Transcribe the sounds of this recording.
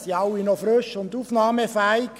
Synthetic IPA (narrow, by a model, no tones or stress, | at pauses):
siɑwinɔfɾʏʃʊnd̪uːfnɑːməfæiɡ̥